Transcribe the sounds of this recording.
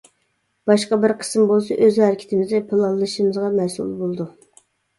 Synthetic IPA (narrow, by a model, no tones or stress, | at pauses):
b̥ɑʃqɑbɪɾqʰə̥smbolˠsɑʔøzhæɾɪkʲʰɪ̥t̪ʰɪmɪzd̪ɛpʰɨlˠɑnlˠɨʃimɨzʁɑmɛsṵlˠbolˠd̪u